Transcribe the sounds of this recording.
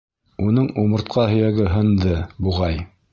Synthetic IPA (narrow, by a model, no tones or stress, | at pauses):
unɤɴumɤ̆ɾt̪̚qɑhɵ̆jæɡɘɦɤ̆nd̪ɤbuʁɑj